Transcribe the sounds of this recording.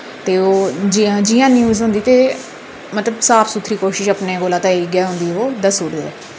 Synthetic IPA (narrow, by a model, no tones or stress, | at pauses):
t̪eːoːd͡ʒãd͡ʒɪːãːnjuːzʊ̃nd̪iːt̪eː | mət̪ləbsaːpʰsut̪ʰɾiːkoːʃɪʃəpneːɡoːlãːt̪ãːeiɡɛːɦʊ̃nd̪iːɛoːd̪əsuːɾd̪eɛː